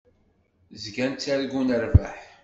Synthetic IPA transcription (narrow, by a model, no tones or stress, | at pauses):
zɡænt͡sːæɾɡunəɾvaħ